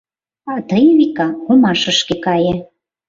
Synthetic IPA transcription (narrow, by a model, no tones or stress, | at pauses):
ɑt̪əjβikɑkomɑʃə̆ʃkekɑjĕ